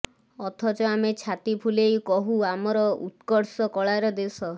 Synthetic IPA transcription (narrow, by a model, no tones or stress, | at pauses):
ɔt̪ʰɔt͡ʃɔamet͡ʃʰat̪ipʰulejkɔɦuamɔɾɔṵt̪kɔɾsɔkɔɭaɾɔd̪esɔ